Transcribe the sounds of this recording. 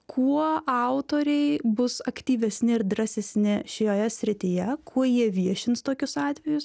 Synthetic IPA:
kʰuɔɑʊt̪oːɾʲɛɪbʊsɐkt̪ʲiːʋʲɛsʲnʲɪɪɾd̪ɾɐsʲɛsʲnʲɪʃʲɪjoːjɛsʲɾʲɪt̪ʲɪjɛkʰuɔjiɛʋʲiɛʃʲɪnst̪oːkʲʊsɑːt̪ʲʋʲɛjʊs

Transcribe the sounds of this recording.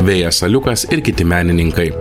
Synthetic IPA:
ʋʲeːjɛsɐlʲʊkɐsɪɾkʲɪt̪ʲɪmʲæːnʲɪnʲɪŋkɐɪ

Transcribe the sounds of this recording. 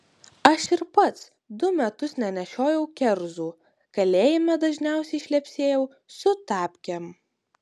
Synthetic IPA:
ɐʃɪɾpɐt̪s | d̪ʊmʲɛt̪ʊsnʲɛnʲɛʃʲoːjɛʊkʲɛɾzuː | kɐlʲeːjɪmʲɛd̪ɐʒʲnʲɛˑʊsʲɛɪʃʲlʲɛpʲsʲeːjɛʊ | sʊt̪ɑːpʲkʲɛm

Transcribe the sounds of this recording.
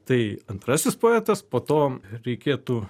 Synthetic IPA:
t̪ɐɪɐnt̪ɾɐsʲɪspoːɛːt̪ɐspoːt̪oːɾʲɛɪkʲeːt̪uː

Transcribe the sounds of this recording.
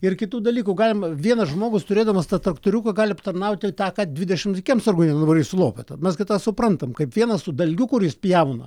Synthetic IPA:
ɪrkʲɪt̪uːd̪ɐlʲiːkuɡɑːlʲɪmɐʋʲiɛnɐʒmoːɡʊst̪ʊɾʲeːd̪ɐmɐst̪ɑt̪ɾɐkt̪oːɾʲukɐɡɑːlʲɪɐpt̪ɐrnɐʊt̪ʲɪt̪ɑːkɑːd̪ʲʋʲɪdʲɛʃʲɪmt̪ʲɪkʲiɛmsɐrɡʊnʲɛnʊʋɐɾʲɪsʊlˠoːpʲɛt̪ɐmʲɛskɐɪt̪ɑːsʊpɾɐnt̪ɐmkɐɪpʋʲiɛnɐssʊd̪ɐlʲɡʲʊkʊrjɪspʲjɛʊnɐ

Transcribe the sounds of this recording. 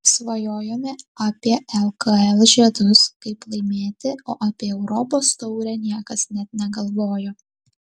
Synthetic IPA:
sʋɐjoːjoːmʲɛaːpʲiɛɛlˠkɐɛlˠʒʲɛɛd̪ʊskɐɪplˠɐɪmʲeːt̪ʲɪoːʔapʲiɛɛʊɾɔpoːst̪ɔʊɾʲɛnʲiɛkɐsnʲɛt̪̚nʲɛɡɐlˠʋoːjoː

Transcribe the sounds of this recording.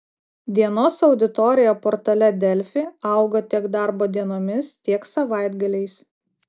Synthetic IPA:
d̪ʲiɛnoːsɐʊd̪ʲɪt̪ɔɾʲɪjoːpɔɾt̪ɐlʲɛd̪ʲɛlʲfʲɪɐˑʊɡot̪ʲiɛɡd̪ɑˑɾboːd̪ʲiɛnoːmʲɪst̪ʲiɛksɐʋɑˑɪd̪ɡɐlʲɛɪs

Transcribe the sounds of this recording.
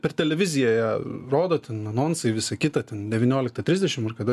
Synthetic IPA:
pʲɛrt̪ʲɛlʲɛʋʲɪzʲɪjoːjɛroːd̪oːt̪ʲɛnɐnoːnsɐɪʋʲɪsɐkʲɪt̪ɐt̪ʲɛnd̪ʲɛʋʲɪːnʲoːlʲɪkt̪ɐt̪ʲɾʲɪzʲdʲɛʃʲɪmɐrkɐd̪ɐ

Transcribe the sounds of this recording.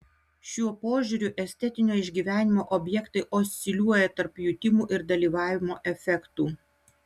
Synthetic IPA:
ʃʲuɔpoːʒʲuɾʲʊʔɛsʲt̪ʲɛt̪ʲɪnʲoːɪʒʲɡʲiːʋʲæːnʲɪmoːʔɔbʲjɛkt̪ɐɪʔosʲt̪ʲɪlʲuɔjɛt̪ɐɾpjʊt̪ʲɪmuːʔɪɾd̪ɐlʲiːʋɑːʋʲɪmoːʔɛfʲɛkt̪uː

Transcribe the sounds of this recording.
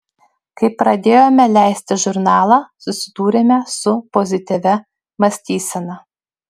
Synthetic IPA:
kɐɪpːɾɐd̪ʲeːjoːmʲɛlʲæˑɪsʲt̪ʲɪʒʊɾnɑːlˠɑsʊsʲɪd̪uːɾʲemʲɛsʊpɔzʲɪt̪ʲɪʋʲɛ | mɐsʲt̪ʲiːsʲɛnɐ

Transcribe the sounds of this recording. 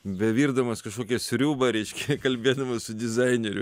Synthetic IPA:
bʲɛʋʲiːɾd̪ɐmɐskɐʃkoːkʲɛsʲɾʲuːbɐɾʲɛɪʃʲkʲɛkɐlʲbʲeːd̪ɐmɐsʊd̪ʲɪzɐɪnʲɛɾʲʊ

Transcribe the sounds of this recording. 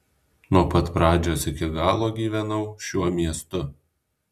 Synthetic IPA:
nuɔpɐt̪pɾɑːd͡ʒʲoːsɪkʲɪɡɑːlˠoːɡʲiːʋʲɛnɐʊʃʲuɔmʲiɛst̪ʊ

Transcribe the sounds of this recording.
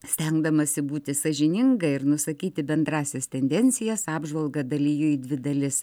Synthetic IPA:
sʲt̪ʲɛŋɡd̪ɐmɐsʲɪbuːt̪ʲɪsɐʒʲɪnʲɪŋɡɐɪɾnʊsɐkʲiːt̪ʲɪbʲɛnd̪ɾɑːsʲɛst̪ʲɛnʲd̪ʲɛnʲsʲɪjɛsɑːbʒʋɐlˠɡɐd̪ɐlʲijʊid̪ʲʋʲɪd̪ɐlʲɪs

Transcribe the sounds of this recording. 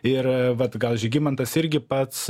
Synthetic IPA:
ɪrʋɐt̪ɡɐlˠʒʲɪɡʲɪmɐnt̪ɐsɪɾʲɡʲɪpɐt̪s

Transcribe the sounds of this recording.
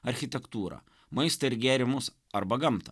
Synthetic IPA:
ɐɾʲxʲɪt̪ʲɛkt̪uːɾɐ̰ | mɐɪst̪ɐɪɾɡʲæːɾʲɪmʊs | ɐɾbɐɡɐmt̪ɐ

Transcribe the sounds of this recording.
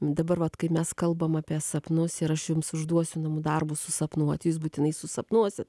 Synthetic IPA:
d̪ɐbɐɾʋɐt̪kɐɪmʲɛskɐlˠbɐmɑːpʲiɛsɐpnʊsɪɾɐʃjʊmsʊʒd̪uɔsʲʊnɐmʊd̪ɐrbʊsʊsɐpnuɔt̪juːs̬buːt̪ʲɪnɐɪsʊsɐpnuɔsʲɪt̪

